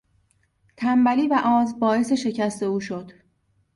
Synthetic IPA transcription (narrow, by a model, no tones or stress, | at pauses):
t̪ʰæmbæliːvæʔɒːzbɒːe̞se̞ʃe̞cʰæst̪ʰe̞uːʃod̪̥